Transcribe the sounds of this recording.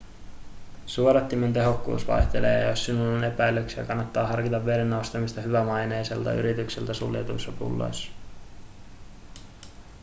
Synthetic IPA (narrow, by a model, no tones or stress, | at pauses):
suoɾɑt̪ːiment̪e̞ɦo̞kːṵːsʋɑ̰jht̪elḛːjosːinulːone̞pæjløksiɑ̰kɑnːɑt̪ːɑːɦɑrkit̪ɑʋːe̞ɾenːowst̪ɑmist̪ɑɦyʋæmɑjne̞jse̞̰lt̪ɑ̰y̰ɾit̪yksilt̪æsṵljḛt̪uisːɑpṵlːo̰js